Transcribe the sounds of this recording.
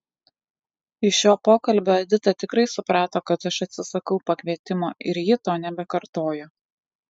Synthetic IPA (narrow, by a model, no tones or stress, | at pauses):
ɪʃʲjoːpoːkɐlʲbʲoːɐd̪ʲɪt̪ɐt̪ʲɪkɾɐɪsʊpɾɑːt̪oːkɐt̪ɐʃɐt̪ʲsʲɪsɐkɒʊpɐkʲʋʲiɛt̪ʲɪmoːɪɾjɪt̪oːnʲɛbʲɛkɐɾt̪oːjo